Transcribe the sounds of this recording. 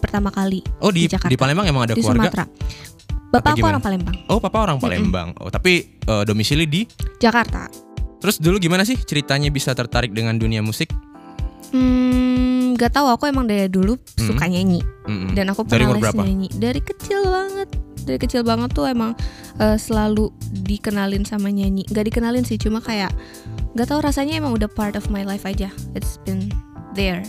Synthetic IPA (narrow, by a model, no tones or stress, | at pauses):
pərt̪amakaliʔodid͡ʒakardiapalɛmbaŋemaŋadakdislwa̰ɾmaɡat̪ɾa̰ | b̥apaːkuoɾaŋpalɛmbaŋʔopapaoɾaŋpalɛ̰mba̰ŋo̰t̪apiəːdomisilidid͡ʒakart̪a̰t̪əɾʊsduluɡimanas̬ɪht͡ʃəɾit̪aɲabisat̪ərt̪aɾɪk̚dəŋanduniamusɪk̚ | m̩ | ɡat̪aɦuakuemaŋdajadulu | sukaɲaiɲim̩danakupəanɾialɛsaɲaaɲidaɾikət͡ʃɪlbaŋət̪̚daɾikət͡ʃɪlbaŋət̪ːuemaŋ | ʔəsəlaludikənalɪnsamaɲaiɲiŋɡaʔdikənalɪnsɪht͡ʃumakajaʔ | ŋɡat̪auɾasaɲaemaŋudahpart̪ɔfmajlajfad͡ʒaɪtsbɪnd̪ər